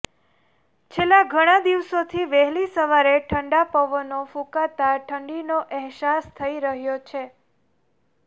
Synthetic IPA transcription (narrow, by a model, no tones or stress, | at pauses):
t͡ʃʰelːaɡʱəɽ̃ad̪iʋsot̪ʰiʋɛɦlisəʋaɾeʈʰəɳɖapəʋənofũkat̪aʈʰəɳɖinoʔɛɦsast̪ʰəiɾəɦjot͡ʃʰe